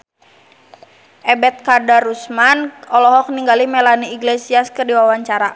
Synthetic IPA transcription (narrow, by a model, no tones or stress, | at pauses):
ʔɛbɛt̪̚kadaɾusmanɔlɔɦɔk̚niŋɡalimɛlaniːɡlesiaskɨrdiwawaɲt͡ʃaɾa